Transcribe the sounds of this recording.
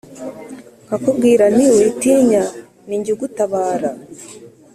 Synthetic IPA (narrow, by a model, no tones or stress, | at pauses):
hakubɡiːɾaniwetiːɲa | niɲɟiɡutaβaːɾa